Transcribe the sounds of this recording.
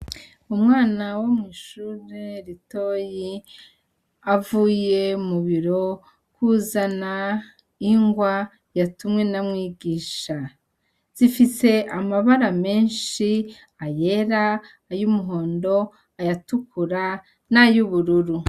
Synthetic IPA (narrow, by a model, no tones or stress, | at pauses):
umŋaːnawomŋiːʃuːɾeɾito̞ːji | avuːje̞muβiɾo̞ | kuzana | iŋɡwa | jatumŋe̞namŋiːɡiːʃa | z̥ifise̞amaβaɾame̞ːnʃi | aje̞ɾaː | jumuɦo̞ːndo̞ | ajatukuɾa | najuβuɾuɾu